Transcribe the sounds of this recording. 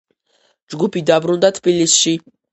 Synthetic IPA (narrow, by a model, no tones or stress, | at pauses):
d͡ʒɡupʰid̪abɾund̪at̪ʰbilisʃi